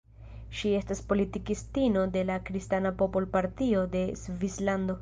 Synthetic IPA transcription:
ʃie̞staspo̞litikistino̞de̞lakɾistanapopolpaɾtio̞de̞zvislando̞

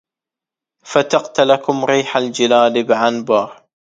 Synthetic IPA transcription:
fat̪aqt̪alakʊmɾiːħald͡ʒɪlaːlbɪʕanbɑɾˤ

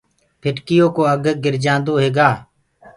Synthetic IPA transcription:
pʰɪʈkɪjoːkoːəɡɡɪɾd͡ʒãːnd̪oːɦeːɡaː

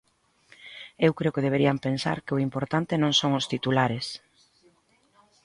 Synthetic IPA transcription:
ewkɾeʊkɪðeβeɾiampensa̰ɾkɪʊimpoɾt̪ant̪ɪnõŋsoŋʊst̪it̪ulaɾes

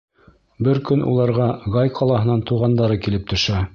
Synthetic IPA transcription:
bɘɾkɵnʔṵlˠɑɾʁɑʁɑjqʰɑlˠɑɦɤ̆nɑnt̪uʁɑnd̪ɑɾɤkilɘp̚t̪ɵ̆ʃæ

